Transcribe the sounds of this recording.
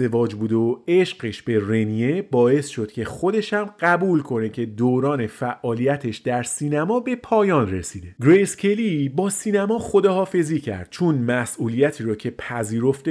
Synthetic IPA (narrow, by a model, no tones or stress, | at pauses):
evɒːd͡ʒbuːd̪eoe̞ʃɢe̞ʃbe̞re̞nije̞bɒːe̞sʃo̞d̪̥cʰe̞χo̞d̪e̞ʃæmɢæbuːlkʰo̞ne̞cʰe̞d̪oːɾɒːne̞fæʔʔːɒːlijæt̪ʰe̞ʃd̪̥æɾsiːnæmɒːbe̞pʰɒːjɒːnre̞siːd̪e̞ɡɾescʲʰe̞libɒːsiːnæmɒːχo̞d̪ɒːhɒːfe̞ziːcʰæ̰ɾd̪̥̚t͡ʃʰonmæsʔuːlijæt̪ʰiːɾɒːcʰe̞pʰæziːɾo̞ft̪e